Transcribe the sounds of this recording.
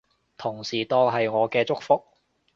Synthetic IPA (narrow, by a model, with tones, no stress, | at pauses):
t̪ʰʊ˨˩ŋsiː˨˩t̪ɔː˧ŋɦɐ˨jŋɔː˨˧kɛː˧t͡sʊ˥k̚fʊ˥k̚